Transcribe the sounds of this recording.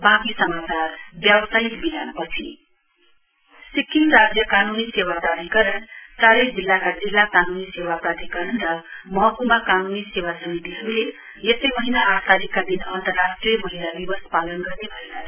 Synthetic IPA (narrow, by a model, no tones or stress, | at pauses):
bakisʌmat͡sarbjawsajikbinanpʌt͡sʰi | sikːinɾad͡zjʌkanunisewapɾad̪ʱikʌɾʌnt̪aɾikd͡zilːakad͡zilːakanunisewapɾat̪ikʌɾʌnɾʌmʌɦʌkumakanunisewasʌmit̪iɦʌɾule | jʌsʌjmʌɦinaʔːkʰt̪aɾikːad̪inʌnt̪ʌrːasʈrijʌmʌɦilad̪ibʌspalʌnɡʌrnebʱʌela